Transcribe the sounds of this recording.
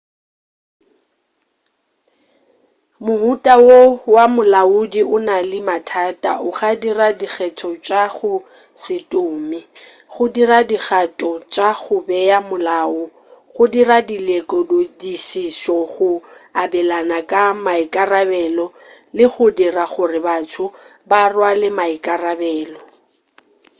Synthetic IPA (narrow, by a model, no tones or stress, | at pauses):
mʊɦutʼawowamʊlaudiʔʊnalɪmatʰaːtʼaʔʊχadiradik͡xʰɛtʰɔt͡ʃʼaɣʊ | sɪtʼʊːmɪ | ɣʊdiradik͡xatʼɔt͡ʃʼaɣʊbɛjamʊlaːʊ | ɣʊdiradilekʼɔdodisisɔɣʊabɛlanakʼamaikʼarabɛlɔ | lɪɣʊdiraɣʊrɪbatʰʊbarwalɪmaikʼarabɛːlɔ